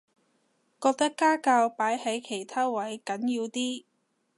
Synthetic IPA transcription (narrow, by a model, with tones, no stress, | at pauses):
kɔː˧k̚t̪ɐ˥kːaː˥kaː˧wpaː˨˥jhɐ˨˥jkʰe˨˩jt̪ʰaː˥wɐ˨˥jkɐ˨˥njiː˧wt̪iː˥